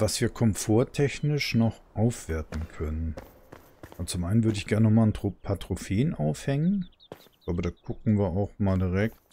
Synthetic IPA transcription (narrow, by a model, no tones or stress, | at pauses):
vasv̥iːɐkʰɔmfoːɐtʰɛçnɪʃnɔχʔaʊfv̥eɐtn̩kʰœnən | ʔzt͡sʊmʔaɪnənvʏɐɾəɪçɡ̥ɛɐnəːnɔχmaːlntʁopʰatʁ̥ofeːnʔaʊfhɛŋən | laːbədaːɡ̥ʰʊkŋ̩viːɐaʊxmaːldiʁɛk̚t